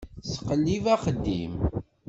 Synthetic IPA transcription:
sə̥qəlːivæqəd̪ːḭm

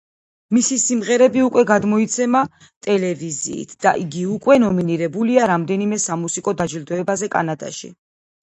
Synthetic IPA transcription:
misisimʁɛɾɛbiukʼwɛɡad̪mɔit̪sʰɛma | t̪ʼɛlɛvizḭːt̪ʰd̪̥a̰ʔiɡiukʼwɛnɔminiɾɛbuliaɾamd̪ɛnimɛsamusikʼɔd̪ad͡ʒild̪ɔɛbazɛkʼa̰nad̪a̰ʃḭ

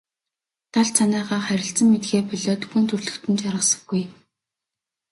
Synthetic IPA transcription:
t̪ʰaɮt͡sʰanæːʁaːχæɾʲɪ̆ɬt͡sə̆mːet̪ɡeːpɔɮɔːt̪ɡuːnt̪ʰɵrɮɵ̆kt̪ɘ̆nt͡ɕaɾʁə̆sə̆ɡuj

